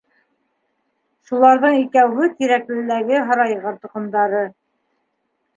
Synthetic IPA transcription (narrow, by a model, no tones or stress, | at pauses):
ʃulˠɑɾðɤɴikæwɦɘt̪iɾæklɘ̆læɡɘɦɑ̆ɾɑjʁɑɾt̪ŭqɤ̆nd̪ɑɾɤ